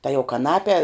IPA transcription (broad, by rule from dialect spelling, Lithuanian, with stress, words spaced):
tɐ jɛʊ kɐˈnɑːpʲɛ